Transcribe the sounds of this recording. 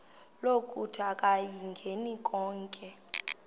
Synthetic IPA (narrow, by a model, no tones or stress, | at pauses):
lokʼutʰakʼajiŋɡʱenikʼɔːŋkʼɛ